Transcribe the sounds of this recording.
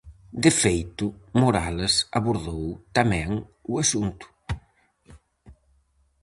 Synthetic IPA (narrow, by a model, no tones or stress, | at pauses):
d̪ɪfejt̪ʊmoɾalesaβoɾðowt̪amɛ̃ŋuasunt̪ʊ̥